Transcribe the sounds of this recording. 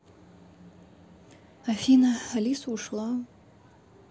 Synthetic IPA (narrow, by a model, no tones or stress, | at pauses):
afinaalʲisuʂlaw